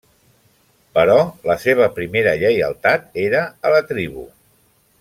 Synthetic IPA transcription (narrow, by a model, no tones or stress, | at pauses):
pəɾɔləseβ̞əpɾimeɾəʎəjə̰lˠt̪at̪eɾəələt̪ɾiβṵ